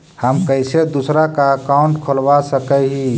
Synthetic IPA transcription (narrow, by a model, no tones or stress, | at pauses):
həmkəɪsed̪usɾakaəkaʊɳʈkʰolbasəkəɦi